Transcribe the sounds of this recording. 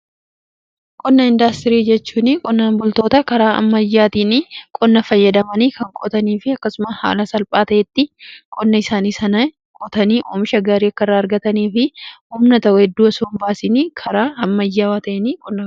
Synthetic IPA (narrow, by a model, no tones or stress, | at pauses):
kʼɔnːɐɪnd̪ast̪ɪɾiːd͡ʒɛt͡ʃːuːnɪkʼɔnːaːnbʊlt̪o̞ːt̪ɐkɐɾaːʔɐ̰mːɐjːaːt̪iːnɪkʼɔnːɐfɐjːɐd̪ɐmɐniːkɐŋkʼɔ̰t̪ɐniːfɪɐkːɐsʊmɐsha̰ːlɐsɐlpʼaːt̪ɐʔɛt̪ːɪkʼɔnːɐɪsaːniːsɐnɐ | kʼɔt̪ɐniːʔo̰ːmɪʃɐɡaːɾiːɐkːɐɪrːaːɐɾɡɐt̪ɐniːfɪhʊmnɐt̪ɐʊɛd̪ːuːɐsoːmbaːsɪnikʰɐɾaːɐmːɐjːaːwaːt̪ɐʔɛnikʼɔnːɐ